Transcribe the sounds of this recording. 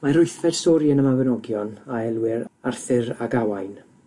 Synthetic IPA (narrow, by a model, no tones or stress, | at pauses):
maɾʊɨθvɛd̥sɔɾjənəmavənɔɡjɔnaɛlˠwɪɾarθɪɾaɡawajn